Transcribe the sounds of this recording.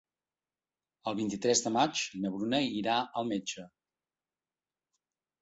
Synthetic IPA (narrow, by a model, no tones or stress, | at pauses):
əlˠβint̪it̪ɾɛzðəmat͡ʃnəβɾunɛiɾaʔəlˠmed͡ʒə